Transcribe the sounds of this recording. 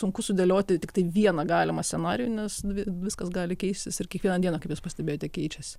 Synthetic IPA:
sʊŋkʊsʊd̪ʲeːlʲoːt̪ʲɪt̪ʲɪkt̪ɐɪʋʲiɛnɐɡɑːlʲɪmɐsʲsʲɛnɑːɾʲɪjunʲɛsʲʋʲɪʋʲɪskɐsɡɑːlʲɪkʲɛɪsʲt̪ʲɪsɪrkʲiɛkʋʲiɛnɐdʲiɛnɐkɐpjuspɐsʲt̪ʲɛbʲeːjoːt̪ʲɛkʲɛɪt͡ʃʲɛsʲ

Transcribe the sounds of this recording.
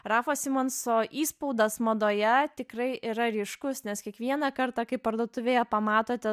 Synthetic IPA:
ɾɑːfoːsʲɪmonsoːʔiːspɐʊd̪ɐsmɐd̪oːjɛt̪ʲɪkrɐɪʔiɾɐɾʲiːʃkʊsnʲɛskʲiɛkʋʲiɛnɑkɐɾt̪ɑkɐɪpɐɾd̪oːt̪ʊʋʲeːjɛpɐmɑːt̪oːt̪ʲɛ

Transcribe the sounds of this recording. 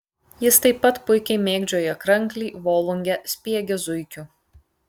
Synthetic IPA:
jɪst̪ɐɪpːɐt̪pʊɪkʲɛɪmʲeːɡd͡ʒʲoːjɛkɾɐŋʲˑklʲiːʋoːlˠʊŋʲɡʲɛsʲpʲiɛɡʲɛzʊɪkʲʊ

